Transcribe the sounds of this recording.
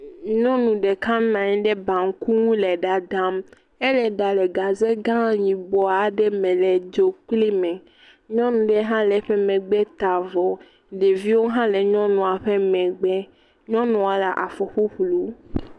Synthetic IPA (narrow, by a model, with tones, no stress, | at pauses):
ɲɔ̃˦nũ˨ɖɛ˨kã˦nã˨ɲĩ˦ɖɛ˦bã˨ŋ̩˦ku˦ŋũ˦lɛ˨ɖa˨da˦m | ɛ˦lɛ˨ɖa˨lɛ˨ɡa˨zɛ˦ɡã˦ɲĩ˨bɔ˨a˨ɖɛ˦mɛ̃˨lɛ˨d͡ʒo˦k͡pli˦mɛ̃˨ | ɲɔ̃˦nũ˨ɖɛ˦ɦã˦lɛ˨ɸɛ˦mɛ̃˨ɡ͡bɛ˦t̪a˨vɔ˨ | ɖe˨vi˦wo˦ɦã˦lɛ˨ɲɔ̃˦nũ˨a˨ɸɛ˦mɛ̃˨ɡ͡bɛ˦ | ɲɔ̃˦nɔ̃˨a˨la˨ʔa˨fɔ˨ɸo˦ɸlu˨